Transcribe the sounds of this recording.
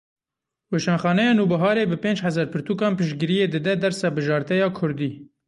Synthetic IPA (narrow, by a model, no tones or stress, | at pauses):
weːʃɑːnxɑːnɛjɑːnuːbɨɦɑːɾeːbɨpeːnd͡ʒhɛzɑɾpʰɨɾt̪uːkɑːnpɨʃɡɨɾijeːd̪ɨd̪ɛd̪ɛɾsɛbɨʒɑːɾt̪ɛjɑːkʰʊɾd̪iː